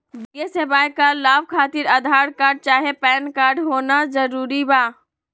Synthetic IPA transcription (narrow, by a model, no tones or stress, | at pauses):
b̪iesebaːjkalaːbkʰaːt̪ɪɾɐd̪ʱaːɾkaːɾɖ̚t͡ʃaːɦepɛːnkaːɾɖɦoːnazɐɾuːɾibaː